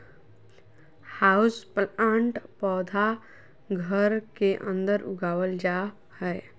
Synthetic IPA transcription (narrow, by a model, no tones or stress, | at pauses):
haʊsplaɳʈpɔːd̪ʱa | ɡʱəɾkeʔə̰̃nd̪əɾʔʊɡaːwəld͡ʒa | hɛɪ